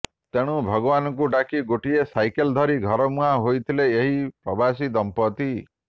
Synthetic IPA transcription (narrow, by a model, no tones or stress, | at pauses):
t̪eɽ̃ubʱɔɡɔbanɔŋk̬uʈakiɡoʈiesajkeld̪ʱɔɾiɡʱɔɾɔmuɦaɦojt̪ʰileeɦipɾɔbʱas̬id̪ɔmpɔt̪i